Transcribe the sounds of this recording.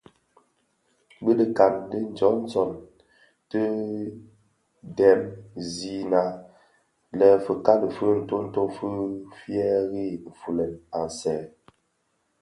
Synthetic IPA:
bi˦də˨ka˨ndə˦n̩˦d͡ʒɔ˨˦n˦t͡sɔ˨n | tə˦ | dɛ˨˦mzi˦na˨˦ | lɛ˨fə˨ka˦lə˨fə˦n̩˦˨to˦n̩˦to˦fə˦fjɛ˦ɣi˦˨m̩˨fu˨lɛ˨na˨n̩˨sɛː˨

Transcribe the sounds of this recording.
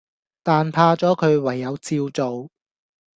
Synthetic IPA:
t̪aː˨npʰaː˧t͡sɔː˨˥kʰɵ˨˧ɥwɐ˨˩jːɐ˨˧wt͡siː˧wt͡so˨w

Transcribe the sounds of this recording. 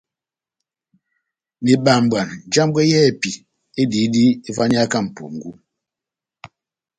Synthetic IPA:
ni˨ɓa˨m˨bwa˨nd͡ʒa˦m˦ɡɛ˦jɛ˦˨pi˨ | e˦di˨˦di˦e˦va˦ɲ˦a˦ka˦˨m̩˨pṵ˨ŋ̩˨ɡu˦

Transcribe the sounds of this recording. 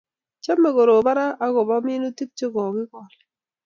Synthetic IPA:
t͡ʃa˦mːɛ˨ɡo˨ɾo˨ba˦ɾa˦a˦ɡɔ˨ba˦mi˦no˦ti˦k̚t͡ʃe˦ɡɔ˨ɡɪ˦kɔ˨l

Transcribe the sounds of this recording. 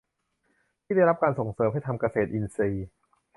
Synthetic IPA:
t̪ʰiː˥˩a˥˩jɾa˦˥p̚kaː˧nso˨˩ŋsɤː˩˦mɦa˥˩jt̪ʰa˧mka˧seː˨˩t̪̚ʔi˧nsiː˧

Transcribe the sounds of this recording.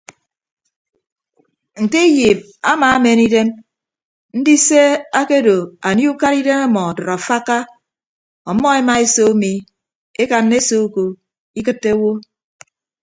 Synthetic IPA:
n̩˨te˦ji˨m̚ | a˦ma˨a˦me˨ni˦de˦m | n̩˦di˦se˦a˦ke˦do˨a˨ni˦u˦ka˦ɾi˦de˦ma˦mɔ˨dɔ˨ɾɔ˨fa˦ka˦ | ɔ˨˦mɔ˦e˦ma˦e˦so˦mi˨ | e˦ka˨nːe˦so˦u˦ko˨ | i˦kɨ˦tːe˦wo˦

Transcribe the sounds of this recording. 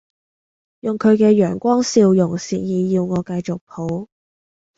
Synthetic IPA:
jʊ˨ŋkʰɵ˨˧ɥkɛː˧jœː˨˩ŋkʷɔː˥ŋsiː˧wjʊ˨˩ŋsiː˨njiː˨jiː˧wŋɔː˨˧kɐ˧jt͡sʊ˨k̚pʰo˨˥w

